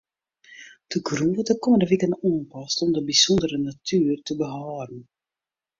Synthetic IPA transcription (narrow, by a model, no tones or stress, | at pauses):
d̥əɡruʋɔt̚dəkɔməndəʋikəntaːnpɑstɔmdəbizɔndəɾənatʰyːrtəbəɦɑːrən